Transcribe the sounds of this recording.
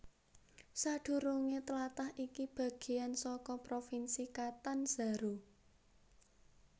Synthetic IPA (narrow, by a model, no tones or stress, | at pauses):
saɖ̪̥ṳɾuŋet̪əlat̪ahʔikib̥a̤ɡ̥e̤ansɔkɔpɾofinsikat̪anz̥a̤ɾu